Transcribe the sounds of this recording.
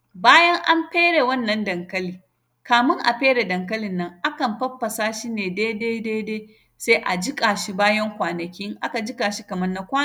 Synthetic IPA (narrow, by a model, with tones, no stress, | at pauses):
baː˦jɐ˦ŋʔa˦mɸeː˦ɽe˨wɐ˦nːɐ˦ndɐ˨ŋkɐ˦liː˨ | kaː˨mɪ˦ŋʔa̰˨ɸeː˦ɽe˨dɐ˨ŋk̬ɐ˦lɪ˨nːɐ˦ŋʔa˦kɐ˨mɸɐ˦ɸːɐ˨saː˦ʃiː˦neː˨deː˦deː˦deː˦deː˦ | se˦ʔa˨d͡ʒɪ˦kʼaː˨ʃi˦baː˦jɐ˦ŋkʷaː˨nɐ˨kʲi˦ŋʔa˦ka˨d͡ʒɪ˦kʼaː˨ʃi˦kɐ˨mɐ˦rnːa˦kʷaː˦˨